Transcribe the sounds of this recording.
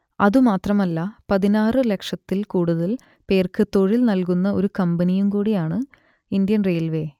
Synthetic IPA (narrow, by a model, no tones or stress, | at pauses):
ɐðumaːt̪rɐmɐlːɐpɐðinaːrɨle̞kʂɐt̪ːilkuːɽuðɐl | pe̞ːrkɨt̪o̞ɻilnɐlkunːɐo̞ɾukɐmbɐnijumkuːɽijaːɳɨ | ind̪jɐnreːlʋe̞